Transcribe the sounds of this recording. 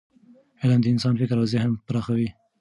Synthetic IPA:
elɑnd̪əɪnsɑnfɪkɾwazehampɾɑxawi

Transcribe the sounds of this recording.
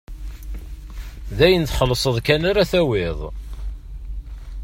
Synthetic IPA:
ðæjənθχəlːəsˤəðˤkænaɾaθæwɪðˤ

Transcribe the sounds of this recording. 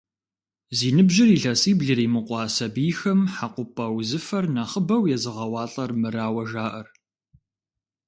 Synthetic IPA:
ziːnɨbʒɪriːɮɐsʼiːbɮɨɾiːmɨqʷʼɑːsɐbiːxɐmħaqʷʊpʼɐwzɨfɐrnaχəbɐwjɛzɨʁɐwɑːɬʼɐrmɨɾaːwɐʒaːʔɐr

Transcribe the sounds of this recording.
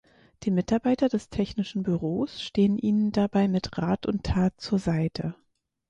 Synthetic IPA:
d̥iːmɪtaɐbaɪtɐdɛstʰɛçnɪʃn̩byʁoːsʃteːənʔiːnəndabaɪmɪtʁaːtʊntʰaːt̚t͡suːɐzaɪtʰə

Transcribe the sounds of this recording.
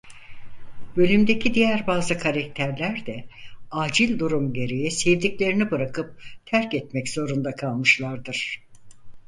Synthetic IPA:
bø̞lʲymd̪e̞cʰid̪ijæɾbaːzɯkʰaɾak̚t̪ʰæɾlʲæɾd̪ɛaːd͡ʒilʲd̪uɾumɟe̞ɾe̞jɛsevd̪iclʲe̞ɾinibɯɾakʰɯp̚t̪ʰæɾcɛt̪mɛcz̥o̞ɾund̪akʰalˠmɯʃlˠaɾd̪ɯɾ̥

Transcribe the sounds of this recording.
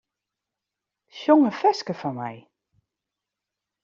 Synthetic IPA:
ʃjoŋəfɛskəfɔnmɛ̰j

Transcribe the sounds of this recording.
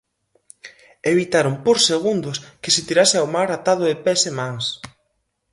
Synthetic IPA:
eβ̞it̪aɾompoɾseɣ̞und̪ʊskɪset̪iɾasɪawmaɾat̪aðʊðepesemaŋs

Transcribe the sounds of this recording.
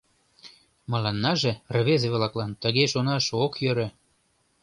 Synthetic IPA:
mɤ̆lɑnːɑʒerβezeβlɑklɑnt̪ə̆ɣeʃonɑʃokjøɾø̆

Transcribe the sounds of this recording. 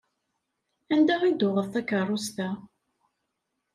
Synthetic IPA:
ænd̪æʁid̪ʊʁəfθækərˤːʊst̪æ

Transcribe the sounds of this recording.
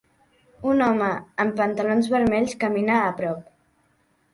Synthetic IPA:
unɔməəmpənt̪əlonzβəɾmɛʎskəminaːpɾɔp̚

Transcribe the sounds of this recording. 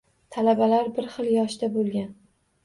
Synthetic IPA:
t̪ʰalabalaɾbɪɾχɨlˠjɒʃd̪abolˠɡʲan

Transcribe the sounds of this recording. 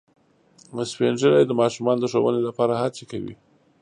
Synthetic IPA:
spend͡ʒəɾajd̪əmɑʃumɑnod̪əʂowə̰nelapɑɾahat͡sekawḭ

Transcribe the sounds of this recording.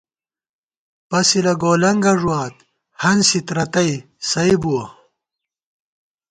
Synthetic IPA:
pɐsilɐɡoːlɐŋɡɐʐuaːt̪ | hɐnsit̪ɾɐt̪ɐj | sɐjbuɐ

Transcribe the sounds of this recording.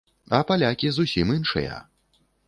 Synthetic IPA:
ɐpalʲakʲizusʲimɨnʂɨ̰jɐ̰

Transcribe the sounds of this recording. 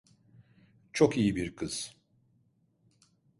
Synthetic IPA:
t͡ʃʰo̞kijibiɾkʰɯz̥

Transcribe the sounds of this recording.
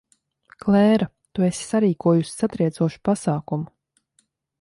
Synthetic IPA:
klɛːɾa | t̪uesʲi̥saɾiːkuɔjusi̥sat̪ɾiɛzuɔʃu̥pasaːkumu

